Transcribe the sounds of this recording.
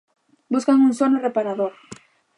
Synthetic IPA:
buskaŋuŋsonʊrepaɾaðoɾ

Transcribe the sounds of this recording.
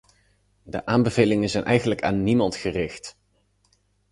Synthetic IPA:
də̰ʔaːmbəvejlɪŋənzɛjnʔɛjχənləka̰ːnːimɑntχərɪxt

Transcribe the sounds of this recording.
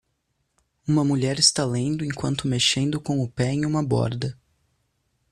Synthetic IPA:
ũmɐmuʎɛɾɪst̪alẽnd̪ʊẽkwɐ̃nt̪ʊmeʃẽnd̪ʊkõʊpɛẽj̃ũmɐbɔ̰ɾd̪ɐ

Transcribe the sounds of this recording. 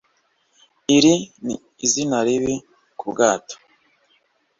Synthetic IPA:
iɾini | izinaɾiβi | kubɡaːto̥

